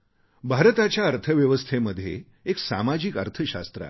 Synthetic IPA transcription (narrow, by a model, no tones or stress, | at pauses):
bʱaɾt̪at͡ɕjaəɾt̪ʰəʋjəʋəst̪ʰeməd̪ʱːjḛ | eksa̰mad͡ʑiːkə̰ɾt̪ʰəɕa̰st̪ɾa̰